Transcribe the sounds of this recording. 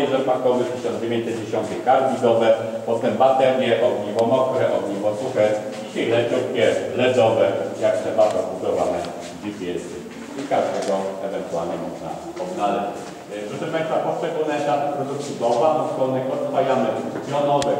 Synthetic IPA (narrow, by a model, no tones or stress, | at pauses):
izɛsmat̪̚kɔvɘxt̪ɘɕɔ̃nd͡ʑevʲẽɲt͡ɕ̚t̪ɛd͡ʑeɕɔnt̪ɛkaɾdʲid̪ɔvɛ | pɔt̪ɛmbat̪ɛɾjɛʔɔɡɲivɔmɔkɾɛʔɔɡɲivɔsuxɛd͡ʑiɕɛlɛk̪ʲufkʲjɛlɛd̪ɔvɛjaktɛbaɾzɔbud̪ɔvamɛ | vʲipʲjɛsɪ | ikaʐd̪ɛɡɔɛvɛnt̪ualɲɛmɔʐna̰ | pɔd̪nalɛt͡ɕ | pʐɛʂɛpaj̃st̪apɔt͡ʂɛɡulnɛʃat̪pɾɔd̪uk̪sud̪ɔvaʔɔt̪kɔnɛxɔd̪vajamɛp̪ʲjɔnɔvɛ